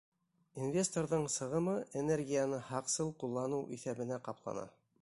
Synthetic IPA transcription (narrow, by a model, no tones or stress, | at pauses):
invʲe̞st̪oɾðɤɴsɤ̆ʁɤ̆mɤʔenerɡʲijanɤhɑqsɤlˠqulˠːɑnɤwʔiθæβɘ̆næqɑplˠɑ̰nɑ̰